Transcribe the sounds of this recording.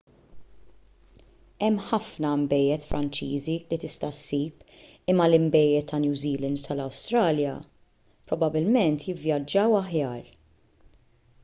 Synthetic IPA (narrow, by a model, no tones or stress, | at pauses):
ɛmːħɐfnɐmbɛjːɛt̪fɾʔɐnt͡ʃiːzilit̪ɪst̪ɐsːiːpɪmːɐlɪmbɛjːɛt̪ʰːɐnjuːziːlɛnd̪t̪ʰɐlɐwst̪ɾɐːljɐ | pɾɔbɐbɪlmɛnt̪jɪvjɐd͡ʒːɐwɐħjɐːɾ